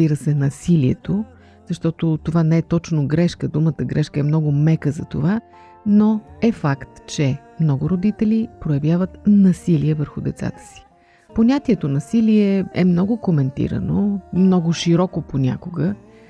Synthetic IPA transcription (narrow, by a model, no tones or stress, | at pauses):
biɾəsɛnɐsiliɛ̰t̪o | z̥ɐʃt̪ɔt̪ot̪ovanɛɛt̪ɔt͡ʃnoɡɾɛʃkəd̪umət̪əɡɾɛʃkəɛmnɔɡʊmɛkəzɐt̪ova | noɛfakt̪t͡ʃɛ | mnɔɡʊɾod̪it̪ɛlipɾojɐvjavət̪nɐsiliɛvəɾxʊd̪ɛt̪sa̰t̪ə̥si̥ | ponʲat̪iɛt̪onɐsiliɛɛ̰mnɔɡʊkomɛnt̪ḭɾə̰nomnɔɡʊʃiɾɔkoponʲa̰koɡə